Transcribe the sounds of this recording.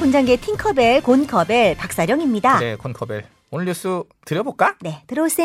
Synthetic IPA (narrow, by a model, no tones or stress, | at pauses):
ond͡ʑaŋɡetʰiŋkʰʌbeɭkonkʰʌbeɭpak̚s͈aɾjʌŋimɲidanḛkonkʰʌbeɭ | onɯɭjus͈u | tɯɾjʌbok͈ane̞tɯɾʌs͈e